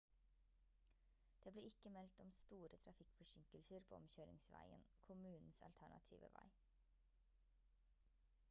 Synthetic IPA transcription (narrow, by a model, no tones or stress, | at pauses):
d̪̥eːbleːɾɪkəmɛlt̪ɔmst̪uːɾət̪ʰɾɑfɪkfɔʃɪŋkəlsəɾpʰo̰ːɔmçøːɾɪ̰ŋsʋæ̰ɪə̰nkʰʊmʉːnn̩sɑ̰lt̪ʰæɳɑ̰t̪ʰḭːʋə̰ʋæ̰ɪ